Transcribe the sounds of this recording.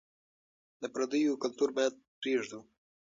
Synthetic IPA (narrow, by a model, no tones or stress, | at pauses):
nɛpɾəd̪ijukəlt̪uɾmɛt̪̚pɾiʒd̪u